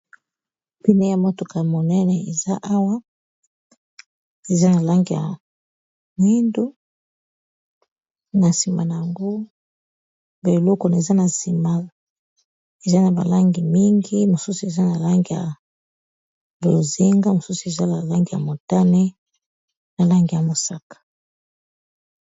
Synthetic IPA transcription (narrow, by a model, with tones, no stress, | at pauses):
pi˦ne˦ja˦mo˦to˨ka˨mo˨nɛ˦nɛ˨e˨za˦ʔa˦wa˦ | e˨za˦na˨la˦ŋɡi˨ja̰˨ | mwi˦ndu˦ | na˨si˨ma˨na˨ja˨ŋɡo˦ | ba˨lɔ˦ko˨na˨e˨za˦na˨si˨ma˨ | e˨za˦na˨ba̰˨la˦ŋɡi˨mi˦ŋɡi˦mo˨su˦su˨e˨za˦na˨la˦ŋɡi˨ja̰˨ | bo˨o˨ze˦ŋɡa˦mo˨su˦su˨e˨za˦na˨la˦ŋɡi˨ja̰˨mo˨ta˦ne˦ | na˨la˦ŋɡi˨ja˨mo˨sa˦kḁ˨